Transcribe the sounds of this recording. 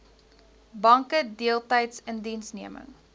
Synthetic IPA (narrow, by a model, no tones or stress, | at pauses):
bɐŋkədiəlˠtɐjtsəndinsniəmə̰ŋ